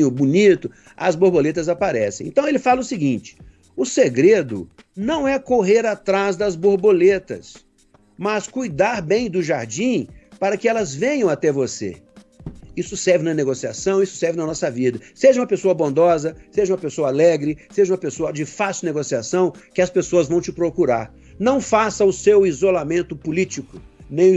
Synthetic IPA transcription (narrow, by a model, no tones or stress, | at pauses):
ʊbunit̪ʊ | ɐ̰zboɾbolet̪ɐzapaɾɛsḛ̃j̃ḛ̃nt̪ɐ̃w̃elɪfalɐʊsɪɡĩnt͡ʃɪ̥ | ʊseɡɾed̪ʊ | nɐ̃w̃ɛkoɦeɾat̪ɾazd̪ɐzboɾbolet̪ɐ̰s | mɐskujd̪aɾbẽj̃d̪ʊʒaɾd͡ʒĩpaɾɐkɪɛlɐzvẽɲɐ̃w̃at̪ɛvosḛ | isʊsɛɾvɪnɐneɡosia̰sɐ̃w̃isʊ̥sɛɾvɪnɐnɔsɐvid̪ɐseʒɐũmɐpesoɐbõnd̪ɔzɐseʒɐũmɐpesoɐalɛɡɾɪseʒɐũmɐpesoɐd͡ʒɪfasineɡosiasɐ̃w̃kɪɐspesoɐzvɐ̃w̃t͡ʃɪpɾokuɾa̰ɾ | nɐ̃w̃fasɐʊsewizolamẽnt̪ʊpʊlit͡ʃikʊnẽj̃